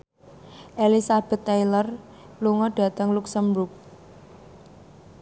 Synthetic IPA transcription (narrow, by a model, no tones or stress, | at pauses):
ʔelisab̥ɛ̤t̪ːejlər | luŋɔɖ̥a̤t̪əŋluksəmbɾuk̚